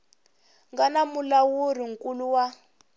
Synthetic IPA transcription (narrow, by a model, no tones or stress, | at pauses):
ŋɡanamulawuriŋ̩kʼuluwa